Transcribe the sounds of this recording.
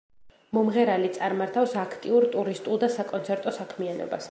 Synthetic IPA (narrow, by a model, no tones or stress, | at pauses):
mɔmʁɛɾalit̪sʼaɾmaɾt̪ʰafsakʰt̪ʼiuɾt̪ʼuɾist̪ʼulˠd̪asakʼɔnsʰɛɾt̪ʼɔsakʰmianɔ̰ba̰s